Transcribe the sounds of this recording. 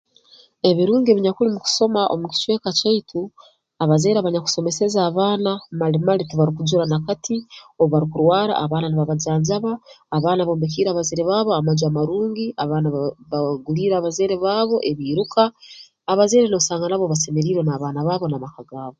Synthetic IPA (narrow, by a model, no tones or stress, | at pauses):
e̞βiɾuːŋɡe̞βiɲakulimuku̥so̞maʔo̞̰muci̥t͡ʃwe̞ːkacaitʰu | aβazeːɾaβaɲaku̥so̞me̞se̞zaːβaːnamalimalituβaɾikud͡ʒuɾanakatʰioββaɾikuɾwaːɾa̰ːβaːnaniβaβazaːɲzaβaːβaːnaβo̞ːmbek̬iːɾaːβazeːɾeβaːβoamazamaɾuːŋɡiʔaβaːnaβaɡuliːɾaːβazeːɾeβaːβo̞ʔe̞βiːɾukaː | βazeːɾenosaːŋɡanaβo̞βase̞meɾiːɾwenaːβaːnaβaːβo̞namakaɡaːβo